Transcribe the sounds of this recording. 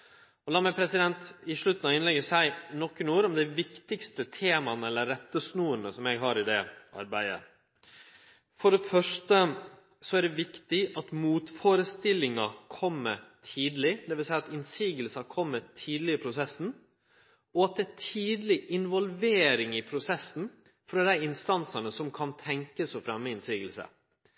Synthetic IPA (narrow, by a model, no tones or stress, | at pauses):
ɔlɑːmæɪpʰɾɛsɪd̪ɛnt̪ɪʂɭʉt̪n̩ɑɪnlɛɡəsæɪnɔkːənuːɾɔmd̪æʋɪkt̪ɪkst̪ət̪ʰeːmɑnəɛlːəɾːɛt̪ːəsnuːənəsɔmɛɡɦɑːɾɪd̪ɛ̰ʔɑ̰ɾbæɪə̰ | fɔɖɛfœʂtə | sɔæɖɛʋɪkt̪ɪɑt̪muːt̪foːɾəst̪ɪlːɪŋɑkʰɔmːətʰiːd̪lɪd̪ɛʋɪlsæɪɑt̪ɪnsiːɡəlsɑkʰɔmːətʰiːd̪lɪəpʰɾʊsɛsn̩ | ɔɑt̪̚d̪ɛæʈʰiːd̪lɪʔɪnʋɔlʋeːɾɪŋɪpʰɾʊsɛsːn̩ | fɾɑːd̪æɪɪnst̪ɑnsənəsɔmkʰɑnt̪ʰɛŋkəsɔfɾɛmːəɪnsiːɡəlsə̰